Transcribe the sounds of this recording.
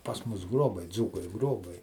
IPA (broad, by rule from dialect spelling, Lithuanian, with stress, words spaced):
pɐs ˈmʊs ˈɡroːbɐɪ ˈd͡zuːkɐɪ ˈɡroːbɐɪ